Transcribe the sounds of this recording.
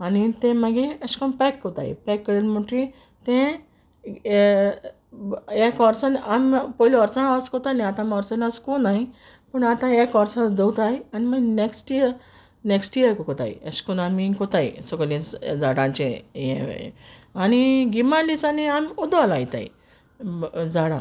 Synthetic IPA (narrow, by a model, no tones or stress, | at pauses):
anit̪ẽməɡeəskɔnpɛkːɔt̪a̰ḭpɛkːəɽenmoʈi | t̪ẽ | jakɔɾsanampɔilɔɾt͡sanaʋaskɔt̪anĩat̪ãmɔɾsənaskunaɦi | pəɳat̪ãjakɔɾsãd̪əwt̪ajaniməneksʈijəɾ | neksʈijəɾkɔkɔt̪a̰j̰ḛskunamikɔt̪ajsɔklĩd͡zaɽãɲt͡ɕẽjḛ̃ | aniɡimalit͡saniamud̪ʋalajt̪a̰j̰ | d͡zaɽã̰